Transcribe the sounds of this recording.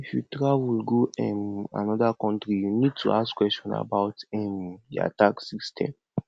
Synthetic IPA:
ifjutɾawilɡoɛ̃ma̰nɔdakɔ̃ntɾijunid̚tʰuaskwɛstɔ̃na̰baʊtɛ̃mdḭa̰taksistʰɛ̰̃m

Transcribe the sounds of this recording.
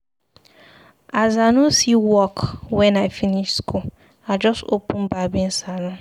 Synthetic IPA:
azanusiwɔkwɛ̃nafiniʃskʰu | ad͡ʒɔsopũn̩babin̩salʊ̃

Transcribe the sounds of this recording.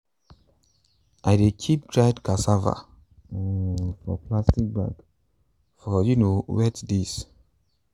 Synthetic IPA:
ʔajdekʰip̚dɹajdkasava̰ | fɔ̰plastik̚ba̰ɡ | fɔjunowɛtdis

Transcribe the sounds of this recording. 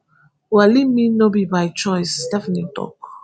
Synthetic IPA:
walimĩnobibajt͡ʃɔjsdɛfnitɔ̰k

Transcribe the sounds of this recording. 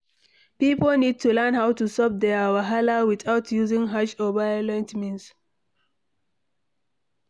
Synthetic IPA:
pipəlnid̚tʰulɛnɦawtusɔp̚d̪ɛwaɦalawiθawtʰjuzɪ̃ŋɦaʃɔvajəlɛ̃ntmĩns

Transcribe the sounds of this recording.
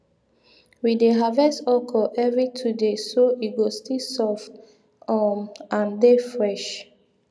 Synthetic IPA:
wideɦavɛsɔkʰɔʔɛvɹitʰudesoʔiɡostisɔf | ɔmãndefɹɛʃ

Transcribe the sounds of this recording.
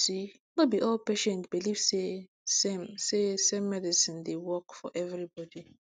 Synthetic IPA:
si | mobiʔɔlpeʃɛ̃ntbiliv̥se | semsesɛmmɛdisĩndewɔkfɔ̰ʔɛvɹibɔdi

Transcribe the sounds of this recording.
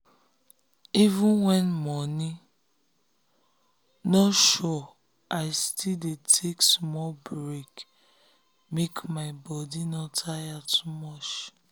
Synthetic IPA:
ivũnwɛ̃nmɔni | nɔtʃɔ | ʔaɪstildetʰeksmɔlbɹek | mekmaɪbɔdinɔtʰajatʰumɔt͡ʃ

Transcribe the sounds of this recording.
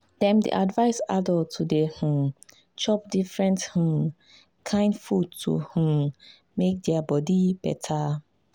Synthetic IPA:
d̥ɛmdḭʔadvaɪsa̰dɔtudeh̩ | t͡ʃɔpdifɹɛ̃nth̩ | kʰãɪnfut̚tṵh̩ | mek̚dɛɐbɔdib̥ɛ̰tʰa

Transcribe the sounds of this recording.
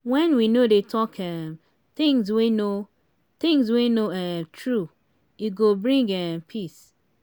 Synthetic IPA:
wɛ̃nwinodetʰɔkʰɛm | t̪ɪ̃ŋzweno | t̪ɪ̃ŋzwenoatʰɹu | iɡobɹĩŋɡɛmpʰis

